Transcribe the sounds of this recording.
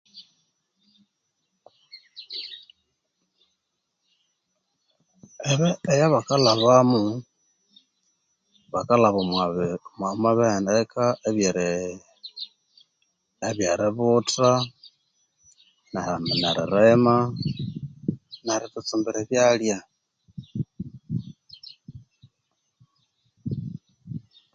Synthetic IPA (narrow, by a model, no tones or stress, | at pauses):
eβeejaβakalaβamu | βakalaβo | mamaβendekʰaʔeβjeɾi | eβjaɾiβuta | naamnaɾḭɾema | naɾitut͡sumbiɾeβjalja